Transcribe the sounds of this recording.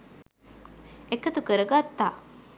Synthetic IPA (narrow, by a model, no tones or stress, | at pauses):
ekət̪ukəɾəɡat̪ːaː